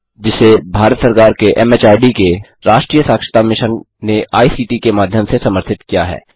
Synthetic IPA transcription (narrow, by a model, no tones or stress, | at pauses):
d͡ʒɪsebʱaːɾət̪səɾkaːɾkeʔɛmeːt͡ʃaːɾɖike | ɾaːʃʈɾiːjəsaːkʃə̥t̪amɪʃən | neʔaːisiːʈikemaːd̪ʱjəmsesɐməɾt̪ʰɪt̪kijaɦɛ̰ː